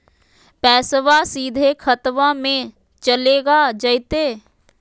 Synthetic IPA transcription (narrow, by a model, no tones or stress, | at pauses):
pɛːsʋasiːd̪ʱekʰət̪ʋãmẽ | t͡ʃəleːɡad͡ʒəɪt̪eː